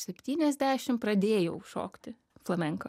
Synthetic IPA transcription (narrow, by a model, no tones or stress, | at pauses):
sʲɛpʲt̪ʲiːnʲɛzʲd̪ʲæːʃʲɪmpɾɐd̪ʲeːjoʊʃo̰ːkt̪ʲɪ | flˠɐmʲɛŋkɐ